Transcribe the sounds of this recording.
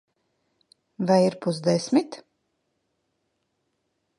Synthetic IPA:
vajiɾpuzd̪ɛsʲmit̪

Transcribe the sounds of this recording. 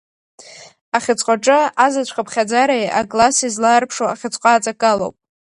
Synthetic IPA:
aχʲɪt͡sʼqʷʼaʈ͡ʂʼɨazat͡ɕʷʰχapʰχʲad͡zaɾajʔa̰ɡlasizlaːrpʰʂoaχʲɪt͡sʼqʼaːt͡sʼakʼalo̰wpʼ

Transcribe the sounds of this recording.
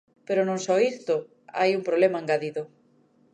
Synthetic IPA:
peɾonõŋsɔist̪o | a̰jumpɾoβlemaẽŋɡaðiðʊ

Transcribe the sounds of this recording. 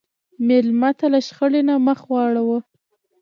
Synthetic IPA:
mɪlmat̪alaʃxəlenaməxwɑɽawə

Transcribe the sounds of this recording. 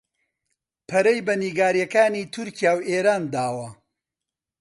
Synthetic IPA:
pʰɐɾɐjbɐniːɡaːɾjɐkaːniːt̪ʰʊɾcijaːweːɾaːnd̪aːwɐ

